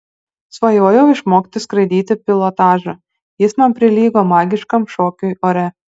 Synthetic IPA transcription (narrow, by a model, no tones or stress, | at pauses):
sʋɐjoːjɛʊɪʃmoːkt̪ʲɪskɾɐɪd̪ʲiːt̪ʲɪpʲɪlˠɔt̪ɑːʒɐ | jɪsnɐmpʲɾʲɪlʲiːɡoːmɑːɡʲɪʃkɐmʃoːkʲʊjoːɾʲɛ